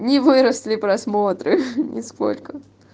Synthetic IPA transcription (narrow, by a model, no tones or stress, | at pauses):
nʲɪvɨɾəslʲɪpɾɐsmot̪ɾɨnʲʔɪ̰sko̰lʲkə